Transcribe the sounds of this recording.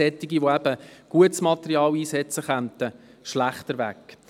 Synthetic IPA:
ɛt̪ːiɡiʋoæb̥əɡ̥uətsmɑt̪əɾiɑːliːsɛt͡səχœnt̪əʃlæχt̪əɾʋæ̰k

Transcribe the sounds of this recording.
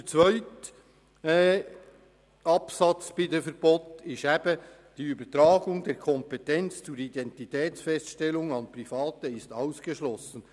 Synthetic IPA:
t͡svœʏt | ɛ | ɑpsɑt͡sb̥ɪdəfəɾb̥otɪʃæbə | d̥iːybətɾɑːɡʊŋdeːɾkʰɔmpɛtɛnt͡st͡suːɾidɛntitɛːt͡sfɛstʃtɛlʊŋɑnpɾifɑːtəɪstɑʊsɡ̥eʃlɔsən̩

